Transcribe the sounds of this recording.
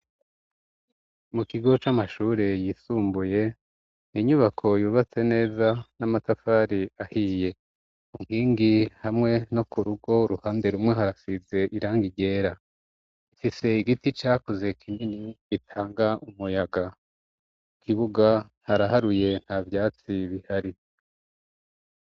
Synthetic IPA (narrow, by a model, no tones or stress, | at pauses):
mukiɡo̞t͡ʃamaʃuːɾe̞jiːsuːmbuje̞ | niɲuβakʰo̞juːβat͡se̞ne̞ːzanamatafaːɾiahiːje̞ | uŋ̥hiːŋɡihamŋe̞no̞kuɾuɡo̞ɾuhaːnde̞ɾumŋe̞ɦaɾasize̞ʔiɾaːŋɡiɟe̞ːɾa | ifise̞iɡitit͡ʃaːkoze̞kʰiminiɡitʰaːŋɡaumujaɡa | kʰiβuɡa | haɾaɦaɾuje̞n̥havjaːt͡siβihaɾi